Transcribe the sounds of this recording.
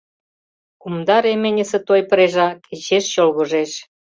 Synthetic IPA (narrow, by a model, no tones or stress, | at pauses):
kumd̪ɑɾemenʲə̆sĕt̪ojpə̆ɾeʒɑkʰet͡ɕeʃɕolɣɤ̆ʒeʃ